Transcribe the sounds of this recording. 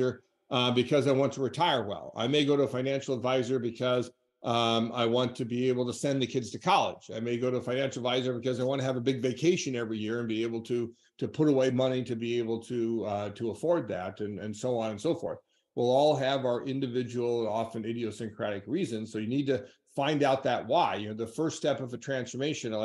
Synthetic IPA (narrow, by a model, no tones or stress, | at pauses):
ə˞ | bɨkʰʌzaɪwɑ̃ntʰəɹɨtʰaɪə˞wɛ̰lˠa̰ɪmeɪɡoʊɾəəfãɪ̃næ̃nʃl̩ˠədvaɪzə˞bɨkʰʌz | a̰ɪwɑ̃ntʰɨbieɪbl̩ˠtəsɛ̃nðɨkʰɪdz̥tʰɨkʰɑlˠɪ̰d͡ʒa̰ɪmeɪɡoʊɾəəfãɪ̃næ̃nʃl̩ˠədvaɪzə˞bɨkʌzaɪwɑ̃ntɨɨvɨbɪɡveɪkʰeɪʃɨ̃nɛvɹijɪɹɨ̃nbieɪbl̩ˠtʰɨ | ɾɨpʰʊɾəweɪmʌñiɾɨbieɪbl̩ˠtʰɨɾəəfɔɹd̪̚ðæɾɨ̃nɨ̃nsoʊɑ̃nɨ̃nsoʊfɔ̰ɹθ | wilˠɔlˠɨvaʊə˞ʔɪ̃ndɨvɪd͡ʒɨwl̩ˠɑfɨ̃nɪɾioʊsɨ̃nkʰɹ̥æɾɨkɹizɨ̃nz̥soʊjɨnid̚tɨ | fãɪ̃ndaʊt̪̚ðɨʔ̚waɪjɨnoʊðɨfɜ˞ststɛpʌvɨtʰɹ̥æ̃nsfə˞meɪʃɨ̃n